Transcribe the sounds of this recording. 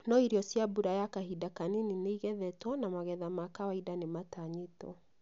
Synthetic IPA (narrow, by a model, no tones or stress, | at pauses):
nɔiɾiɔsjabuɾajakaɦidakaninineiɣɛðɛtwanamaɣɛðamakawaidanemataɲetɔ̰